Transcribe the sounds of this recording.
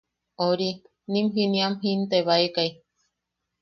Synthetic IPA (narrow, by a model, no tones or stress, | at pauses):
oɾi | nĩmɦiniamɦint̪eβaekaj